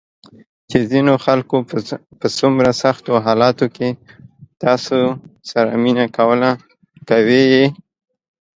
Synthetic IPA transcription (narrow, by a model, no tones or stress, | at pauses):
t͡ʃezinoxalkopəsʊmɾasaxt̪oɦɑlɑt̪oket̪ɑsosaɾa̰minakawəla | kaweje